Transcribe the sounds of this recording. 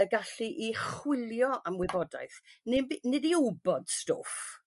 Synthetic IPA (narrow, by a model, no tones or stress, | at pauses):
əɡaɬiʔiχwɪlˠjɔʔamwɪbɔda̰jθnɪbnɪdiʊbɔd̥sto̰f